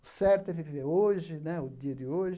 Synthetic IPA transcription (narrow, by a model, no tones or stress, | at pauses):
ʊsɛɾt̪ʊɛvivveoʒɪnɛʊd̪iɐd̪ɪoʒɪ